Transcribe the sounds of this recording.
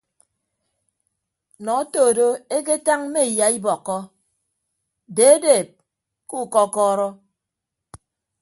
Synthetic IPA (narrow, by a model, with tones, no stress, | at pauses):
nɔ˨˦toː˨do˦e˦k̬e˦ta˦ŋm̩˦me˦˨ja˨i˦bɔ˨kːɔ˦ | de˨˦e˦deː˨p̚ | ku˦˨kɔ˦kɔː˦ɾɔ˦